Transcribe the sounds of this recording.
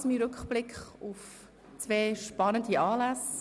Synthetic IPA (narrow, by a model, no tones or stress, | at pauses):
smiɾʏkχb̥lɪkχʊf | t͡sveːʃpɑnəndiɑːlæs